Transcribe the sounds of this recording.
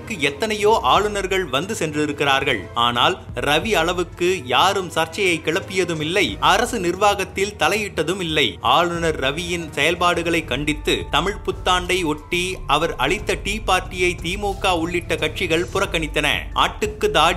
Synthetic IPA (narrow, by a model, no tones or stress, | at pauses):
kːɯɛt̪ːɐnɐjoːʔaːɭɯnɐɾɣɐɭʋɐnd̪ɯsɛndrɪɾɯkːɪraːɾɣɐɭa̰ːna̰ːlɾɐʋiɐɭɐʋɯkːɯjaːɾɯmsɐɾt͡ʃːɐjɐɪkːɪɭɐpːɪjɐðɯmɪlːɐɪɐɾɐsɯnɪrʋaːɣɐt̪ːɪlt̪ɐlɐjɪʈːɐðɯmɪlːɐɪaːɭɯnɐɾːɐʋɪjɪnsɛjɐlpaːɽɯɣɐɭɐɪkːɐɳɖɪt̪ːɯt̪ɐmɪɻpʊt̪ːaːɳɖɐɪɔʈːiɐʋɐɾɐɭɪt̪ːɐʈiːpaːɾʈɪjɐɪt̪iːmoːkːaːʊɭːɪʈːɐkɐʈ̚t͡ʃɪɣɐɭpʊrɐkːɐɳɪt̪ːɐnɐ̰ʔa̰ːʈːɯkːɯd̪aː